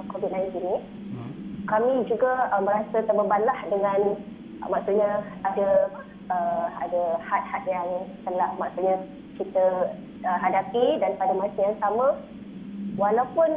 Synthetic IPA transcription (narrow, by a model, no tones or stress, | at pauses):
kovit̪̚naɪnt̪ini | kamĩd͡ʒuɡaəmbəɾasət̪əbəbalahdəŋãn | maksut̪̚ɲaada | əa̰dəhat̪̚hat̪̚jaŋt̪əlahmaʔsut̪̚ɲa | kit̪ə | əɦadapidanpadamãsəjaŋsamã | walawpun